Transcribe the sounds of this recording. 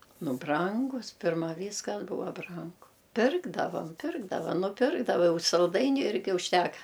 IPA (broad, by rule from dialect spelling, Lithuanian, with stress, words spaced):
ˈnʊ ˈbrɐŋɡʊs ˈpʲɪrmɐ ˈʋʲiːskɐs ˈbuːʋɐ ˈbrɐŋɡʊ ˈpʲɪrɡdɐʋɐm ˈpʲɪrɡdɐʋɐ nʊˈpʲɪrɡdɐʋɐ ˈjɛʊ sɐlˠˈdɐɪnʲʊ ˈɪrʲɡʲɪ ʊʃʲˈtʲæːkɐ